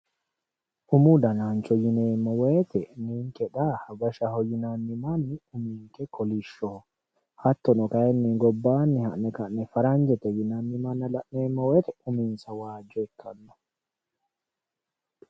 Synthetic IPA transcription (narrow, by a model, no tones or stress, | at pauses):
ʔumud̪anant͡ʃɔjinɛmːɔwɛːt̪ɛniŋkɛɗahabaʃahɔjinanːimanːiumiŋkɛkɔliʃːɔ | hat̪ːɔnɔkajɛnːiŋɡɔbːanːihaʔnɛkaʔnɛfaɾaɲd͡ʒɛt̪ɛjinanːimanːalaʔnɛːmːɔwɛt̪ɛuminsawaːd͡ʒɔɛkːanːɔ